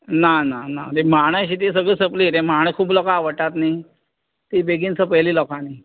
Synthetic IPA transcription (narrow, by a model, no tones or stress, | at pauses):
nananat̪emaɽ̃əɕiːt̪is̬əɡəːsəpliːt̪ẽmaɽ̃ə̃skʰuːplɔkaʋəʈːat̪ni | t̪ibeɡĩnt͡səpəjliːlɔkani